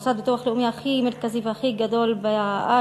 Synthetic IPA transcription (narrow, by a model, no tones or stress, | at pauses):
sad̪̚bet̪oaχleʔumiaχimeɾkaziveaχiɡad̪o̞lbeʔa